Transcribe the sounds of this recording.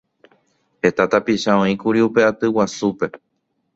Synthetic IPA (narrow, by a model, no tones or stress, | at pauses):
he̞t̪at̪apiʃaõĩkuɾiupe̞at̪ɨwasupe̞